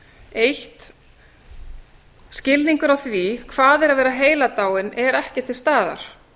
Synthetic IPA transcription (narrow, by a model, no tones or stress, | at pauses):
ejht̪ | scɪlniŋkʏɾawθvikʰvaːðɛɾaðvɛːɾaɦeːjlat̪aːwɪnɛɾɛhcɪ̥t̪ʰːɪlst̪aːða̰ɾ̥